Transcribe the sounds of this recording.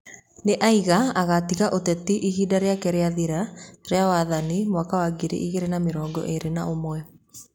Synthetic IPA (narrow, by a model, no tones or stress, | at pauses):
neʔaiɣaaɣatiɣaʔotɛtiʔihidaɾeakɛɾeaðiɾaɾeawaðanimwakawaɡiɾḛʔiɣeɾenameɾɔːŋɡɔ̰ʔeɾenaomwɛ